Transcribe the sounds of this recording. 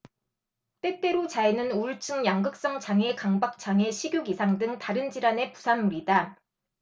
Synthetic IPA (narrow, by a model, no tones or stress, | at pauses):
t͈e̞t͈e̞ɾot͡ɕaenɯnuɭt͡ɕʰɯŋjaŋɡɯk̚s͈ʌŋt͡ɕaŋe̞kaŋbak̚t͡ɕ͈ʰaŋe̞ɕʰiɡjuɡisʰaŋdɯŋtaɾɯnd͡ʑiɾane̞pusʰanmuɾida